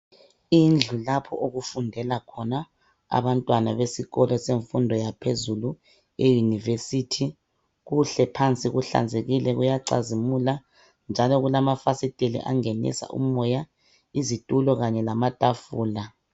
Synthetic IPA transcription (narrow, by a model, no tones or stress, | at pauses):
ind͡ɮʱulapʰɔ̰ʔoɣufundʱɛlakʰɔna | a̰βantʼwanaβesiɣɔlɔseɱfundʱɔjapʰezulu | ejunivesitʰi | ɣuɬɛpʰant͡sʼiɣuɬa̰nd͡zʱeɣilɛɣujaǀa̰zimula | nd͡ʒʱalɔɣulamafasitʼelḭʔa̰ŋenḭsa̰ʔṵmmɔja | izitʼulɔɣaɲɛlamatʼafuːla